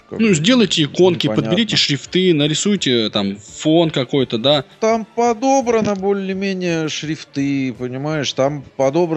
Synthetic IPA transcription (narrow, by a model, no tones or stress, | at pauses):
nuzʲdʲe̞lˠəjtʲɪɪko̞nkʲɪpəd̪bʲɪɾʲitʲɪʂɾʲɪft̪ɨnəɾʲɪsujtʲɪt̪amfo̞nkɐko̞jt̪əd̪at̪ampɐd̪obɾənəbolʲɪlʲɪmʲenʲɪjəʂɾʲɪft̪ɨpənʲɪmaɪʂt̪ampɐd̪o̞bɾ